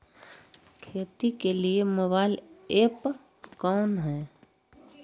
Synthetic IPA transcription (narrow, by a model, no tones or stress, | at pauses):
kʰeːt̪ikelieməbaːɪleːp | kɔːnɦɛː